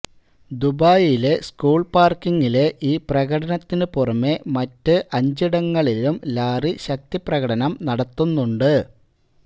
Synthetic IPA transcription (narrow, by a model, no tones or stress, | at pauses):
d̪ubaːjile̞skuːɭpaːrkiŋːile̞ʔiːprɐɣɐɽɐnɐt̪ːinɨpurɐmːe̞mɐtːɨʔɐɲd͡ʑiɽɐŋːɐɭilumlaːriɕɐk̚t̪iprɐɣɐɽɐnɐmnɐɽɐt̪ːunːuɳɖɨ